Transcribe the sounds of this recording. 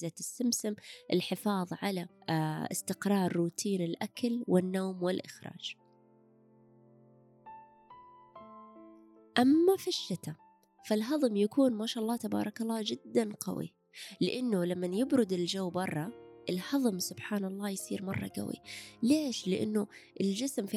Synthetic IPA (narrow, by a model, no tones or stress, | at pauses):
zat̪ɪsːɪmsɪmʔɪlħɪfɑːðˤʕalaʔɪ̰st̪ɪqɾˤɑːɾˤːuːt̪ʰiːnɪlʔakalwɪnːoːmwɪlʔɪxɾˤɑ̰ːd͡ʒ | ʔamːafiʃːɪt̪a | falɦɑðˤmjakuːnmaːʃaːʔɑlˤːɑːt̪abɑ̰ːɾˤɑkɑlˤːɑːd͡ʒɪd̪ːanqɑ̰wḭ | lɪʔɪnːʊlamːanjɪbɾʊd̪ɪld͡ʒawːbɑrˤːɑʔɪlhɑðˤmsʊb̥ħaːnɑlˤːɑːjsiːɾmɑrˤːɑ̰ɡa̰wḭleːʃlɪʔɪ̰nːʊʔɪld͡ʒɪsmf